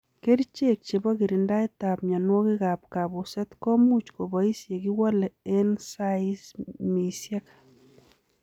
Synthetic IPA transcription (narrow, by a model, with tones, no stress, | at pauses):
ke˦ɾt͡ʃe˦k̚t͡ʃe˨bɔ˦ki˨ɾi˨nda˦i˦t̪a˨p̚ɲa˨nwɔ˦ki˦ɣa˨p̚ka˨bu˨sɛ˦t̪kɔ˦mu˦t͡ʃko˨bɔ˨i˦sje˨ki˦wɔ˦lɛe˦nsa˦ismi˨sja˦k